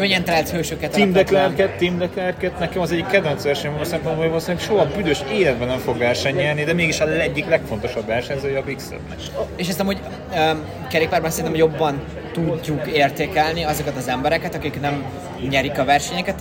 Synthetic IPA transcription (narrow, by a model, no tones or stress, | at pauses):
øɲɛnt̪ɛlɛlt̪høːʃøkɛt̪imd̪ɛklɛrkɛt̪ːimd̪ɛklɛrkɛt̪nɛkɛmɒzɛɟːikːɛd̪vɛntsʋɛrʃɛɲvmosɛmponboːjvolsenːʃoɦɒbyd̪øʃeːlɛd̪̚bɛnɛɱfo̞ɡʋɛrʃɛɲɲɛrnid̪ɛmeːɡiʃɒlɛɟːiklɛkfo̞nt̪o̞ʃɒbʋɛrʃɛɲzøːjɛɒːpiksɛ̰b̪nɛ̰keːʃ̬ɛst̪ɛmhoɟ | kɛɾeːk̚paːrbɒnsɛɾinɛmojo̞bːɒn | t̪uɟːukeːrt̪eːkɛlniɒzo̞kɛt̪ɒzɛmbɛɾɛkɛt̪ɒkiknɛm | ɲɛɾikɒvɛrʃɛɲɛkɛt̪